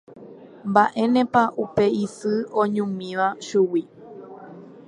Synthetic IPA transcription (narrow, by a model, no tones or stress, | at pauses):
mbaʔẽ̞nẽ̞paʔupe̞isɨõɲũmĩʋaʃuwi